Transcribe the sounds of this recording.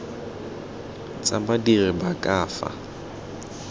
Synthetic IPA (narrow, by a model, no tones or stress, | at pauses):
t͡sʼabadirɪbakʼaːfa̰